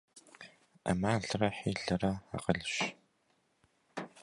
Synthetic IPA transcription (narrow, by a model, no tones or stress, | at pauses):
a̰maːɮrɐħiːɮɐrɐa̰qəɮɕ